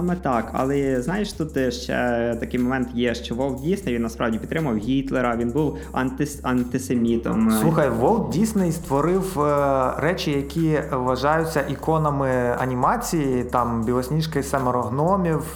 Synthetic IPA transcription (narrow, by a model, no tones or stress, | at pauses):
ɑmɛt̪ɑkɐ̰lˠɛznɑjeʃt̪ut̪ʃt͡ʃɛ̰t̪ɐkɪjmɔmɛnt̪jɛʃt͡ʃɔʋɔlˠt̪̚dʲijsʲnɐjʋinnɐspɾɑwdʲipʲt̪ɾɪmʊʋɐwɦʲit̪lˠeɾɐʋʲinbuw | ɐ̰nt̪ɪsɐnt̪ɪsemʲit̪ɔ̰msˠuxɐjʋɔlˠt̪̚dʲijsʲnɔist̪ʋɔɾɪw | rɛt͡ʃʲɪjɐkʲʰiʋɐʒɑjʊt͡sʲːɐʔikɔnɐmɪɐnʲimɑt͡sʲijit̪ɑmbʲilˠɔsʲnʲiʃkɐjsɛmɔɾɔɦnɔmʲiw